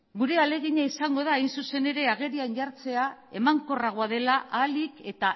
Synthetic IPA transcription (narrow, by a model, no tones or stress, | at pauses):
ɡuɾe̞ale̞ɣ̞iɲaisaŋɡo̞ð̞aːjnsuse̞ne̞ɾe̞aɣ̞e̞ɾianʎaɾt͡se̞ae̞maŋko̞raɣ̞oað̞e̞laʔalike̞t̪a